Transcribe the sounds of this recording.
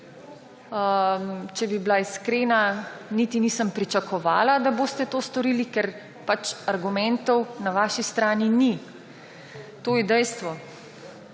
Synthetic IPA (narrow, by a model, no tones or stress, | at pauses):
mt͡ʃɛbiblaiskɾeːnaniːt̪iniːsəmpɾit͡ʃakɔʋa̰ːlad̪aboːst̪ɛt̪oːst̪ɔɾiːlikɛɾ | pat͡ʃaɾɡumɛnt̪ɔwnaʋaːʃist̪ɾaːnini | t̪oːjɛd̪ɛjst̪ʋɔ